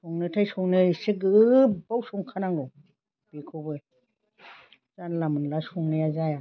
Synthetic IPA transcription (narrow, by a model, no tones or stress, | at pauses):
sɔŋnɯtʰajsɔŋnɯsiɡɯbawsɔŋkʰanaŋɡɔ | b̥ikʰobɯ | zanlamɯnlasɔŋnɯjazaja